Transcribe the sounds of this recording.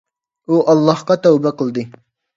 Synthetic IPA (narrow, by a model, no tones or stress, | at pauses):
uʔɑlˠːɑhqɑt̪æwbɛqʰəlˠd̪ɨ